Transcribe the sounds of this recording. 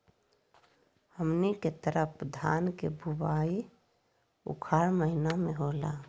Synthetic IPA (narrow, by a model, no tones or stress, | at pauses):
həmniket̪əɾəpd̪ʱaːnkebʱubaːi | ʊ̰kʰaːɾməɦɪnamẽɦoːla̰ː